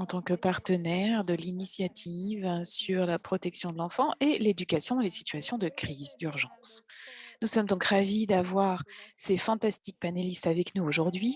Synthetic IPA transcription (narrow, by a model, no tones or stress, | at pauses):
ɑ̃t̪ɑ̃kəpaʁt̪ənɛʁd̪əlinisjat̪ʰivsyʁlapχɔt̪ɛksjɔ̃d̪əlɑ̃fɑ̃ʔeled̪ykasjɔ̃d̪ɑ̃lesi̥t̪ɥasjɔ̃d̪əkχizd̪yʁʒɑ̃snusɔmd̪ɔ̃kʁavid̪avwaʁsefɑ̃t̪ast̪ik̚panelist̪avɛknuoʒuʁd̪ɥi